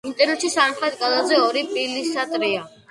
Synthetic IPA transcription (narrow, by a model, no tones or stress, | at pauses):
int̪ʼɛɾnɛt̪ʃisamχlɛt̪̚ʰʼɡʼalazɛɔɾipʼilisat̪ʼɾia